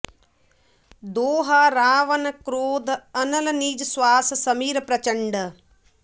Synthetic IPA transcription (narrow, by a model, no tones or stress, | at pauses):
d̪oːɦaɾaːʋɐnɐkɾoːd̪ʱɐnɐlɐniːd͡ʒɐsʋaːsɐsɐmiːɾɐpɾɐt͡ʃɐɳɖɐ